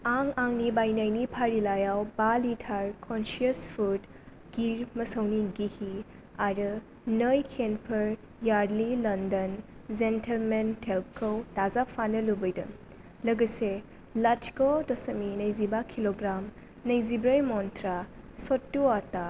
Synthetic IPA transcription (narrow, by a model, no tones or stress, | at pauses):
aŋaŋnibajnajnipʰaɾilajawbalitʰaɾkʰɔnsiɐspʰud | ɡ̥iɾmɐsɐwniɡihi | aɾɯ | nəjkʰenpʰɐɾ | jaɾdlilɐndɐnzentelmentʰelp̚kʰɐwtazapʰanɐlubɐjdɐ̰ | lɐɡɐse | latʰi̥kodɔsɐminɐjzibakʰiloɡɾam | nɐjzibɾɐjmɔntʰɾasɔtːuata